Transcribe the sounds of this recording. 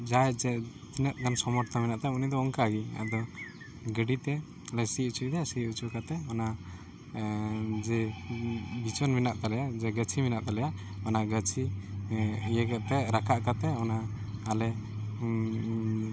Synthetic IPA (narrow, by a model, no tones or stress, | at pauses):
d͡ʒajd͡ʒɛ | t̪inət̪̚ˀɡansɔmɔʈt̪ʰaminaʔt̪ɛunid̪ɔɔŋkaɡia̰ʔd̪ɔ | ɡəɖit̪ɛ | ləsiut͡ʃʰud̪ɛsiut͡ʃukat̪ɛɔna | d͡ʒɛ | bit͡ʃɔnminaʔt̪alɛjad͡ʒɛɡət͡ʃʰiminaʔt̪alɛjaɔnaɡət͡ʃʰi | jɛɡɛʔt̪ɛɾakʰaʔkat̪ɛɔna | alɛ